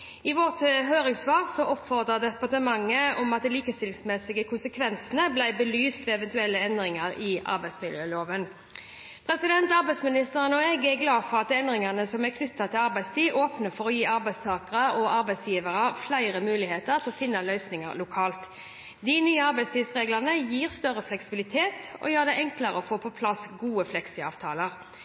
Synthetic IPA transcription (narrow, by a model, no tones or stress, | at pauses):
ɪʋɔʁt̪ɦøːɾɪŋsʋɑːʁsɔʔɔpfɔʁd̪ʁəd̪ɛpɑt̪əmɑŋːəɔmɑt̪̚d̪ɛliːkəst̪ɪlsmɛsɪɡəkʰʊnsəkʰʋɛnsənəblæɪbəlyːst̪ʋɛɛʋɛnt̪ʉɛlːəɛnd̪ʁɪŋɑɾɪʔɑ̰ɾbæɪsmɪljøːloːʋən | pʰʁɛsɪd̪ɛnt̪ɑɾbæɪsmɪnɪst̪əʁənɔɛɡɛɾɡlɑːfɔʁɑt̪ɛnd̪ʁɪŋɑnəsɔmækʰnʏt̪ːɑt̪ʰɪlɑɾbæɪst̪iːʔoːpnəfɔʁɔjiːɑɾbæɪst̪ʰɑːkəʁəɔɑɾbæɪsjiːʋəʁəflæɪʁəmʉːlɪheːt̪əʁt̪ʰɪlɔfɪnːɑlœʏsnɪŋɑ̰ɾlʊkʰɑːlt̪ | d̪ɪnyːəɑɾbæɪst̪iːsʁeːɡləʁnəjiːʁst̪œɾəflɛksɪbɪlɪt̪ʰeːt̪ɔ̰jøːʁd̪ɛɪʔɛŋkləʁəɔfoːpʰɔpʰlɑsɡuːəflɛksɪɑ̰ːʋt̪ʰɑːləʁ